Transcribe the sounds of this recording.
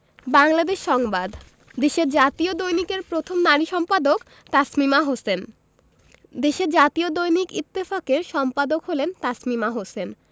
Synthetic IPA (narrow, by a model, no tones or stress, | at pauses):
baŋlad̪eʃʃːɔŋbad̪ | d̪eʃeɾd͡ʑat̪iod̪ojnikeɾpɾot̪ʰomnaɾiʃɔmpad̪ok | t̪asmimaɦosen | d̪eʃeɾd͡ʑat̪iod̪ojnikit̪ːifakeɾʃɔmpad̪okɦolent̪asmimaɦosen